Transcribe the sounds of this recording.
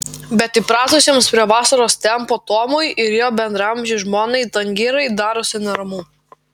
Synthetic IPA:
bʲɛt̪ɪpɾɑːt̪ʊsʲiɛmspʲɾʲiɛʋɑːsɐɾoːst̪ʲɛmpoːt̪oːmʊjɪɾjoːbʲɛnd̪ɾɐɐmʲʒʲɪʒmoːnɐɪt̪ɐŋʲɡʲɪːɾɐɪd̪ɑːɾʊsʲɪnɐɾɐmuː

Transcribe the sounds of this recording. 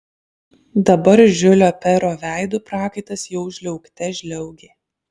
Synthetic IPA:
d̪ɐbɐɾʒʲʊlʲoːpʲɛɾoːʋʲæˑɪd̪uːpɾɑːkɐɪt̪ɐsjɛʊʒʲlʲɛʊkt̪ʲɛʒʲlʲɛʊɡʲeː

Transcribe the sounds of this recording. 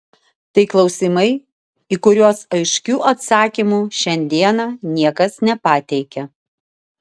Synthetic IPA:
t̪ɐɪklˠɒʊsʲɪmɐɪ | ikʊɾʲuɔsɐɪʃʲkʲuːʔɐt̪sɑːkʲimuːʃʲɛnʲd̪ʲiɛnɑːnʲiɛkɐsnʲɛpɑt̪ʲɛɪkʲɛ

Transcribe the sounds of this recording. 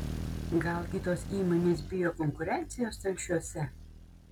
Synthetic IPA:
ɡɐlˠkʲɪt̪oːsiːmonʲeːsbʲɪjoːkɔŋkʊɾʲɛnʲt̪sʲɪjoːst̪ɐlʲʃʲuɔsʲɛ

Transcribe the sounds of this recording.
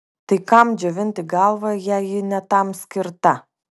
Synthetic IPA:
t̪ɐɪkɐmd͡ʒʲɛʋʲɪnʲt̪ʲɪɡɑlˠʋɐjæːjɪnʲɛt̪ɑmsʲkʲɪɾt̪ɐ

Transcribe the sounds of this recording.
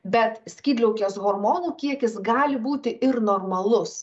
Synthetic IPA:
bʲɛt̪sʲkʲiːd̪ʲlʲɛʊkʲoːsɣoɾmoːnuːkʲiɛkʲɪsɡɑːlʲɪbuːt̪ʲɪʔɪɾnoːɾmɐlˠʊs

